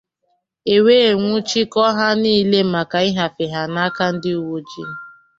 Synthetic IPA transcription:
e˨weː˦˨ŋʷʊ˦t͡ʃi˦kɔ˦ɦa˦niː˦le˦ma˨ka˨i˦ɦa˨fe˨ɦa˨na˦ka˦n̩˦dɪ˦u˦wo˦d͡ʒḭ˦

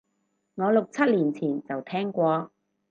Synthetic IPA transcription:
ŋɔː˨˧lʊ˨k̚t͡sʰɐ˥t̚liː˨˩nt͡sʰiː˨˩nt͡sɐ˨wt̪ʰɛː˥ŋkʷɔː˧

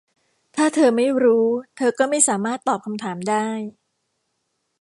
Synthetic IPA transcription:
t̪ʰaː˥˩t̪ʰɤː˧ma˥˩jɾuː˦˥t̪ʰɤː˧kɔː˥˩ma˥˩jsaː˩˦maː˥˩t̪ːɔː˨˩p̚kʰa˧mt̪ʰaː˩˦mdaː˥˩j

